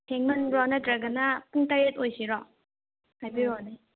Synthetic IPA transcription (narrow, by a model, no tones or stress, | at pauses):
tʰeŋmɐnɾɔnɐtɾɐɡɐnɐpuŋtaɾetojsiɾɔ | hajbiɾɔnij